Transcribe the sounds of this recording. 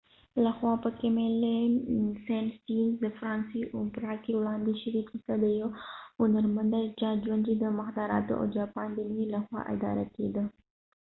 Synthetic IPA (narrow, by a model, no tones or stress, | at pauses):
ləhwapəkɛmɛlɛnsɛnst̪ind̪əfɾansiupərhakiulandiʃiɾit̪isad̪ejounərmənd̪ərd͡ʒad͡ʒuand͡ʒid̪əmahd̪aɾa̰t̪ṵʔo̰d͡ʒapand̪əniləhwa̰ʔa̰d̪a̰ɾak̪id̪ə